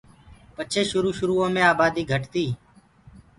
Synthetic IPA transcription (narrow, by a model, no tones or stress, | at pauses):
pət͡ʃʰeːʃʊɾuːʃʊɾuːõːmẽːaːbaːd̪iːɡʱəʈt̪iː